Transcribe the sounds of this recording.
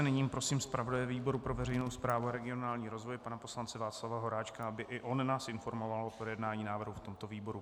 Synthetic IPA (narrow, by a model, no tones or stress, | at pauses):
nɪɲiːmpɾo̞siːmspɾavo̞dajɛviːbo̞ɾupɾo̞vɛrɛjno̞wspɾaːvuaɾɛɡɪo̞naːlɲiːɾo̞zvo̞jpanapo̞slant͡sɛvaːt͡slavaɦo̞ɾaːt͡ʃkaabɪʔɪʔo̞nnaːsɪnfo̞ɾmo̞valopɾojɛdnaːɲiːnaːvr̩ɦuft̪o̞mt̪o̞viːbo̞ɾu